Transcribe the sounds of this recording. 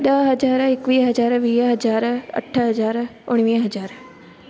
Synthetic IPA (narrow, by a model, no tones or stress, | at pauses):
ɗ̪ɐɦɐd͡ʒaːɾɪkʋiːɦɐd͡ʒaːɾʋiːɦɐd͡ʒaːɾɐ̰ʈʰːəɦɐzaːɾʊɽ̃ʋiːə̃ɦɐd͡ʒaːɾ